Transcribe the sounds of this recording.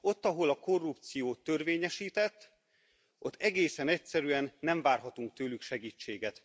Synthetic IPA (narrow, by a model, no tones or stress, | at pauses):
o̞t̪ːɒɦo̞lɒko̞rːupt̪sijoːt̪ːørveːɲɛʃiːt̪ɛt̪ː | ʔo̞t̪ːɛɡeːsɛnɛcsɛɾyɛnːɛɱvaːrɦɒt̪uŋk̚t̪øːlykʃɛɡiːt͡ʃːeːɡɛt̪